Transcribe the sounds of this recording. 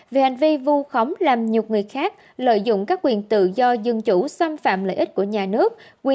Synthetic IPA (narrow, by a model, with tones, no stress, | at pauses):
ve˨˩ha˨˩jŋ̟vi˧vu˧xə˨˦wŋ͡mlaː˨˩mɲi˨˩ək͡p̚ŋɨ˨˩əjxaː˦˥k̚ | lə̰ː˧˨jzʊ̰˧˨ŋ͡mkaː˦˥k̚ːwi˨˩ənt̪ɨ̰˧˨zɔ˧zɨ˧˩ŋt͡ɕu˧˩saː˧mfa̰ː˧˨mlə̰ː˧˨jʔï˦˥t̚ku˧˩əɲaː˨˩nɨ˦˥ək̚ːwi˨˩